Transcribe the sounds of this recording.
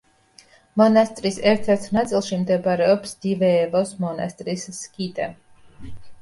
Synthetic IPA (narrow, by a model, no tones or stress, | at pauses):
mɔnast̪ɾisɛɾt̪ʰɛɾt̪ʰnat̪silˠʃimd̪ɛbaɾɛɔpsd̪̥ivɛːvɔsmɔna̰st̪ʼɾisːkit̪ʼɛ